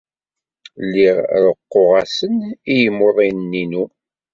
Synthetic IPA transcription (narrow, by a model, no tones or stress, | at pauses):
lːiʁɾəqːoʁæsənijəmːoðˤinnːinu